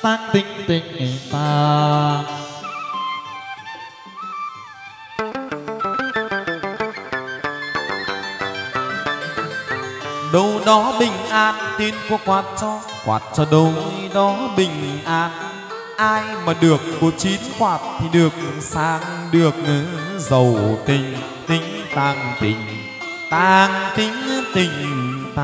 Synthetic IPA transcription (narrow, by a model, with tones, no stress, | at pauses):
t̪aː˧˥ŋ̚t̪ï˨˧˦ŋ̟t̪i˨˩ŋ̟ʔə˨˩˦t̪aː˧˩˧ | ɗə˧wɗɔ˨˦ɓï˨˩ŋ̟ʔaː˧˩nt̪i˧nku˧˩kwaː˨˩t̚t͡ɕɔ˧ | kwa̰ː˨˩t̚t͡ɕɔ˧ɗə˧wɗɔ˨˦ɓï˨˩ŋ̟ʔaː˨˩n | ʔaː˧jmaː˨˩ɗɨ˨˩ək̚ːu˧˩ət͡ɕi˨˦ənxwaː˨˩t̚t̪ʰi˨˩ɗɨ˨˩ək̚saː˨˧˦ŋɗɨ˨˩ək̚ŋɨ˧˨˦zə˨˩wt̪ï˨˩ŋ̟ | t̪i˨˦ŋ̟ | t̪aː˧˩ŋt̪ḭ̈˨˩ŋ̟ | t̪aː˧˩ŋt̪ï˨˦ŋ̟t̪ï˨˩ŋ̟t̪ː